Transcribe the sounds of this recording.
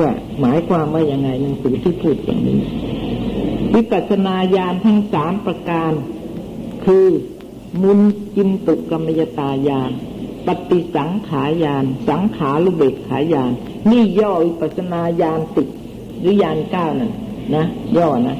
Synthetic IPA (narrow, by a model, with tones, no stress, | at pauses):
maː˨˩˦jkʰwaː˧mwaː˥˩ja˧ŋːa˧jna˧ŋsʰuː˨˩˦t̪ʰiː˥˩pʰuː˥˩t̪̚ja̰ː˨˩ŋnḭː˦˥˩ | wi˦˥pa˨˩t̪̚sa˧naː˧jaː˧nt̪ʰa˦˥˩ŋsaː˩˦mpɾa˧kaː˧n | kʰɯː˧ | mu˧nt͡ɕi˧mt̪u˨˩kka˧mːa˧ja˧t̪aː˧jaː˧npa˨˧t̪ːi˨˩sa˩˦ŋkʰaː˩˦jaː˧nsa˩˦ŋkʰaː˩˦ɾuː˧˩beː˨˩p̚kʰːaː˩˦˥jaː˧nː | iː˥˩jɔː˥˩wi˦˥pa˨˩t̪̚sa˧naː˧jaː˧nsi˨˩t̪̚ | ɾɯː˨˦˥jaː˧nkaː˥˩wna˧˩nna˦˥jɔː˧˩na˦˥